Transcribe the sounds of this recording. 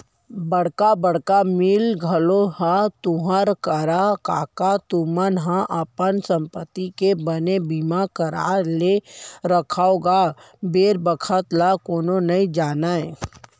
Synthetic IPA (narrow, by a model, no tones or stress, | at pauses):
bəɽkabəɽkamilɡʱəloɦãt̪uɦəɾkəɾakaːkat̪umənɦə̃ʔəpənsə̃mpət̪ːikebənebimakəɾa̰leɾəkʰaoɡa | beːɾbəkʰət̪lakoːnonɐĩd͡ʒaːnae